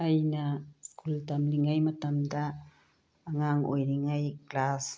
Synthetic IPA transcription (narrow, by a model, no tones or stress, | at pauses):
ajnaskult̪amlɪŋajmat̪amd̪aː | ŋaŋujnɪŋajklas